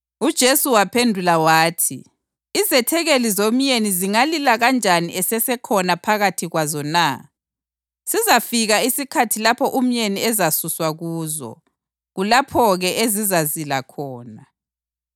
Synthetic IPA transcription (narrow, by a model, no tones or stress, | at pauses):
ud̥ʒ̥ʱesuwapʰendʱulawaːtʰḭ | izɛtʰɛɣelizom̩ɲeniziŋalilaɣand͡ʒʱaniʔɛsɛsɛkʰɔnapʰaɣatʰiɣwazɔna | sizafiɣaisikʰatʰilapʰɔʔum̩ɲeniɛzasuswaɣuːzɔ̰ | ɣulapʰɔɣɛʔezizazilakʰɔːna